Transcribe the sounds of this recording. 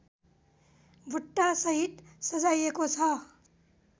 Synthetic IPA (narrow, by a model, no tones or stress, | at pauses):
bʱuʈːasɐɦit̪sɐd͡ʒaːjekot͡sʰa